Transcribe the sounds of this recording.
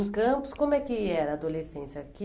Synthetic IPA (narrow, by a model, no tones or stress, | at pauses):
kɐ̃pʊ̥skõmʊɛkɪɛɾɐːd̪olesẽsɐki